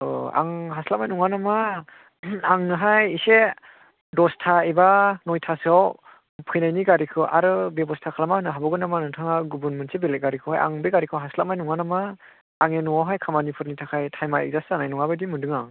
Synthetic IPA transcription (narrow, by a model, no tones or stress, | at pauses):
a̰ŋɦaslamajnuŋanama | aŋnɯɦajise | dɔstʰaibanɔjtʰasɔw | pʰɯjnajniɡaɾikʰɯʔaɾɯbebɔstʰakʰalamanɯɦabɔɡɯnamanɯtʰaŋaɡubunmɯnsebeleɡaɾikʰɯhaja̰ŋbeɡaɾikʰɯwɦaslamajnuŋanamaː | ŋenuŋawɦajkʰamanipʰɯɾnitʰakʰajtʰajmaḭk̚zasɯanajnuŋabajdimɯndɯŋa